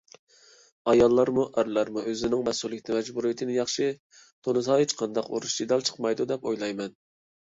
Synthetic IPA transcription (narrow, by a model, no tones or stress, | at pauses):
ɑjɑlˠːɑɾmuʔæɾlˠɑɾmuøzɪnɪŋmɛsulˠɪkʲt̪ʰɪmɛd͡ʒbuɾijit̪ʰɪnɪjɑχʃɨ | t̪ʰonɨsɑet͡ʃqʰɑnd̪ɑqo̰ɾuʃt͡ʃid̪ɑlˠt͡ʃʰə̥qmɑjd̪ud̪ɛpojlˠɑjmɛn